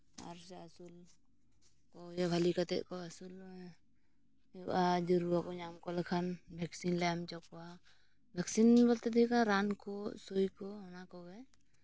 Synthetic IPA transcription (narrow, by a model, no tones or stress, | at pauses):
a̰ɾsɛasul | kɔjɛbʱalikat̪ɛ̰ʔkɔasul | ɛ̰ʔad͡ʒɔɾuakɔɲamkɔlakʰanbʱɛksinlɛamt͡ʃɔkwa | bʱɛksinbɔlt̪ɛd̪ʰikaɾankɔsojkɔɔnakɔɡaj